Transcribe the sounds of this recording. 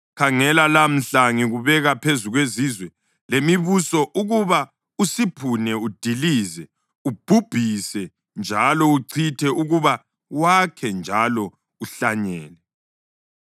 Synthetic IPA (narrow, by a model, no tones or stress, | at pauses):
kʰaŋɛlalam̩ɬaŋiɣuβɛɣapʰezuɣwezizwɛ | lemiβusɔʔuɣuβa | usipʰunɛud̥ʱiliːzɛ | ub̥ʱub̥ʱisɛ | nd͡ʒʱalɔuǀʰitʰɛʔuɣuβa | wakʰɛnd͡ʒʱalɔ | uɬaɲɛ̰ːlɛ